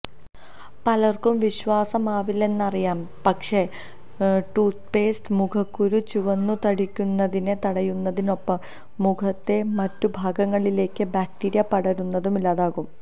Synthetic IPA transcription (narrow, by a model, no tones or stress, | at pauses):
pɐlɐrkumʋiɕʋaːsɐmaːʋile̞nːɐrijaːm | pɐkʂe̞ | ʈuːt̪pe̞ːsʈmukʰɐkːuɾut͡ɕuʋɐnːut̪ɐɽikʲːunːɐðinet̪ɐɽɐjunːɐðino̞pːɐmː | ukʰɐt̪ːe̞mɐtːubʱaːɡɐŋːɐɭile̞ːkːɨbaːk̚ʈiːɾijɐpɐɽɐɾunːɐðumilaːðaːɣum